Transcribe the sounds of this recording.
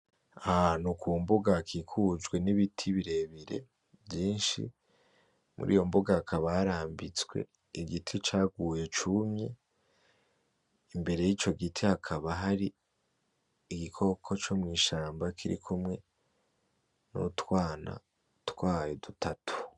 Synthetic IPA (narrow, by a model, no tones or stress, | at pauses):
aanukuːmboɡakʰikʰud͡ʒɡwe̞niβitʰiβiɾe̞βiɾe̞̰ | bjiːnʃḭ | mṵɾʔḭːjo̞mboɡaːkʰaβaɾaːmbit͡swe̞̰ | iɡitʰit͡ʃaːɡuːje̞t͡ʃumɲe | imbe̞ɾe̞jit͡ʃo̞ɡitʰihakʰaβaɦaɾi | ɡikʰo̞kʰo̞t͡ʃo̞mŋiːʃaːmbakʰiɾḭkʰumŋe̞ | nṵtwaːna̰ | twaːjedutʰatʰu̥